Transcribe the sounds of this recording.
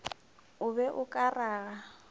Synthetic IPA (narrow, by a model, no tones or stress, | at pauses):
ʊbɛʔʊkʼaraːɣa